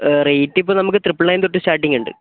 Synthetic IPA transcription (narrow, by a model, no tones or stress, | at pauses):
rejtːipːoːnɐmuk̬ːɨt̪ripːɨɭnɐjmnt̪oʈːɨsʈaːʈːiŋɡuɳɖɨ̰